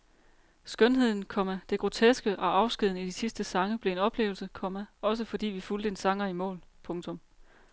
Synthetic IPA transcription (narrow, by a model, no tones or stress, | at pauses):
sɡ̥œnɦe̝ð̰ˠn̩kʰɒ̽mæd̥e̝ɡ̥ʁo̝t͡sʰesɡ̥əʔɒ̽ʔɑ̈ʊsɡ̥ið̞̰ˠn̩id̥isisd̥əsɑ̈ŋəb̥le̝e̝nɒ̽b̥le̝̰ːʊlsəkʰɒ̽mæɒ̽s̬əfɒ̽d̥ḭːʋifuld̥əe̝nsɑ̈ŋɐimɔ̰̽ːlpʰɔ̽ŋt͡sʰɔ̽m